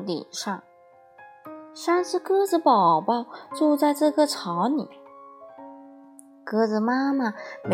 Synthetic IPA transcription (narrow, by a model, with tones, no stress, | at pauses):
lḭ˨˩nʂɑ˥˩ŋ | ʂa˥˧nʂɻ̩˥˧kɤ˥d͡zɹ̩˧pɑ˨˩ʊba˥˧ʈ͡ʂu˥˧t͡sa˥˧ɪʈ͡ʂɤ˥˧˩ɡə˧˩ʈ͡ʂʰɑ˧˥ʊnḭ˨˩˦ | kɤ˥d͡zɹ̩˨˩ma˥ma˨˩me˧